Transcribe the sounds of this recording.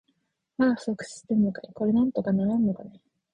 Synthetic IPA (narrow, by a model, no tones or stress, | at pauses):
mḁsokɯ̟̥si̥t̪ːenokaiko̞ɾenãnt̪o̞kanaɾannokane